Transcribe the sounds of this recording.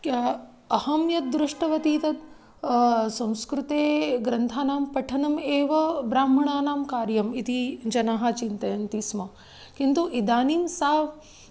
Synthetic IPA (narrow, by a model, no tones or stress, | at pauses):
ɐhɐmjɐt̪̚d̪ɾuʂʈɐʋɐt̪iːt̪ɐt̪̚ | sɐ̃w̃skɾut̪eːɡɾɐnt̪ʰaːnaːmpɐʈʰɐnɐmeːʋɐbɾaːm̤ɐɳaːnaːmkaːɾjɐmit̪id͡ʒɐnaːɦat͡ʃint̪ɐjɐnt̪ismɐ | kint̪uʔid̪aːniːmsaːʋ